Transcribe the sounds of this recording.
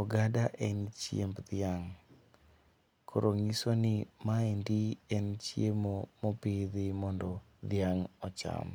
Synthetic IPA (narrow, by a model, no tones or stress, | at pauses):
ɔɡadaʔɛnt͡ʃjḛmbd̪ɪaŋ | kʰoɾoŋisonɪmaendiɛnt͡ʃjemomɔpɪðɪmɔndɔ | d̪ɪaŋɔt͡ʃa̰m